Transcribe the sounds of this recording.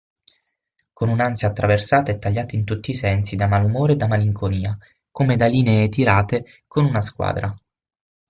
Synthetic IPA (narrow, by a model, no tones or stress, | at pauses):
konunansjaːt̪ːɾʔaversaːt̪aɛt̪ːaʎːaːt̪int̪ut̪ːiːsɛnsid̪amalumoːɾed̪amaliŋkoniːa | komed̪aliːnet̪iɾaːt̪e | konunaskwa̰ːd̪ɾʔa